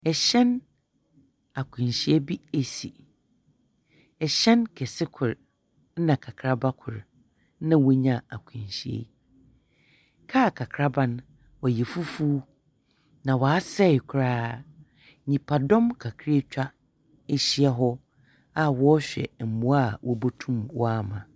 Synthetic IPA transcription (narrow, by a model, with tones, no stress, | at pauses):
ɛ˨ɕɛ̃˦n | a˨kʰʊ̃˨n˨ɕi˦e˦bi˦e˨si˨ | ɛ˨ɕɛ̃˦nkʰɛ˨sɪ˦kʰʊ˨ɾ̩˦ | nã˨kʰa˨kʰɾa˦ba˦kʰʊ˨ɾ | nã˦wo˦ɲã˨a˨kʷʰĩ˨ɕi˨ḛ˦ | kʰa˦˨kʰa˨kʰɾa˦bã˦n | wɔ˨jɛ˨fu˦fuː˦ | nã˨wɔ˨a˦sɛ˦˨ɪ˨kʰʊ˨ɾaː˦ | ɲĩ˨pʰa˨dɔ̃˦mkʰa˨kʰɾe˦t͡ɕᶣa˦ | e˦ɕi˦ɛ˦ɦɔ˦ | a˦wɔ˦ɕᶣɛ̰˨m̩˨mũ˨˦a˦˨wʔɔ˦bo˦tʰũ˦mwɔ˦a˦˨mã˨